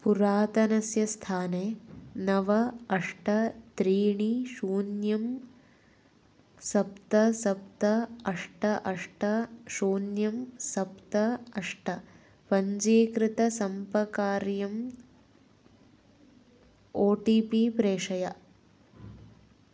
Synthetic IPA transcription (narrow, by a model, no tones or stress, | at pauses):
puɾaːt̪ɐnɐsjɐst̪ʰaːneːnɐʋɐɐʂʈɐt̪ɾiːɳiʃuːnjɐm | sɐp̚t̪ɐsɐp̚t̪ɐɐʂʈɐʔɐʂʈɐʃuːnjɐmsɐpt̪ɐɐʂʈɐ | pɐɲd͡ʒeːkɾɪt̪ɐsɐmpɐkaːɾjɐm | oːʈiːpiːpɾeːʂɐjɐ